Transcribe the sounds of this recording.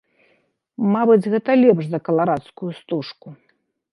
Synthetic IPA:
mabɨd͡zʲɣɛt̪ɐlʲɛpʂzɐkɐlˠaɾat̪skujust̪uʂku

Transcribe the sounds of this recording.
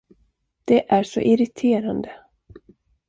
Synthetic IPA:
d̪̥ɛʔæɾʂɔ̰ʔɪɾɪt̪ʰeːɾand̪ə

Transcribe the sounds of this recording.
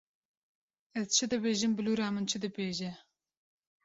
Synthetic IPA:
ɛzt͡ʃʰɨd̪ɨbeːʒɨmbɨluːɾaːmɨnt͡ʃʰɨd̪ɨbeːʒɛ

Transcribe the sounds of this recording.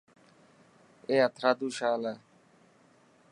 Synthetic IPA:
eːət̪ʰɾaːd̪uːʃaːla

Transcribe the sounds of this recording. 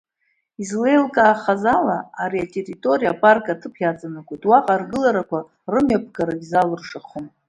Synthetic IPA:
izle̞jlkʼaːχazalaaɾiatʼe̞ritʼo̞ɾijapʼarkʼatʰɨpʰjat͡sʼanakʷʼojtʼwaqʼarɡɨlaɾakʷa | rɨmjapʰɡaɾaɡʲzalɨrʂaχom

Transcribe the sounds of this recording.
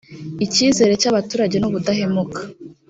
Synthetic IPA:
iciːze̞ːɾe̞caβatuːɾaɟe̞nuβudaɦe̞mukḁ

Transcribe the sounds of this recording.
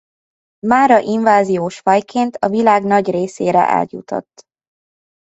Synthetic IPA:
maːɾɒʔiɱvaːzijoːʃfɒjkʰeːnt̪ʰɒvilaːɡnɒɟreːseːɾɛ̰ʔɛ̰ljṵt̪o̰t̪ː

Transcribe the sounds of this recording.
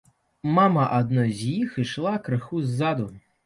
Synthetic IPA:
mamɐʔad̪̚nɔjzʲjixiʃlˠakɾɨxuzːad̪ʊ

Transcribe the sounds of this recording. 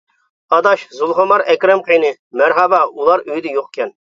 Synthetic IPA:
ɑd̪ɑʃzulˠʁomɑɾɛkʲɾɛmqəjnɨ | mæɾɦɑbɑulˠɑɾøjd̪ɛjoqkʲʰɛn

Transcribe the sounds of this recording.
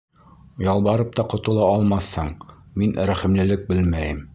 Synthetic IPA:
jɑlˠβɑɾɤp̚t̪ɑqŏt̪ŏlˠɑɒlˠmɑθhɤɴminɾæχĭmlɘ̆lɘk̚bɘlmæjɘm

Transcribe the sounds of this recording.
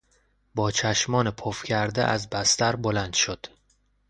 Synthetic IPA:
bɒːt͡ʃʰæʃmɒːnepʰofcʰæɾd̪ḛʔæ̰zbæst̪æɾbolænd̪̥ʃod̪̥

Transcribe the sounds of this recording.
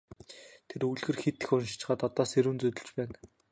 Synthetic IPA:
t̪ʰeɾuɮɣɘ̆rxet̪ɘ̆xʊnʃɪ̥t͡ɕɪ̥̆χaːt̪ɔt̪ɔːseɾuːnt͡sɵt̪ɵ̆ɮt͡ɕpæːŋ

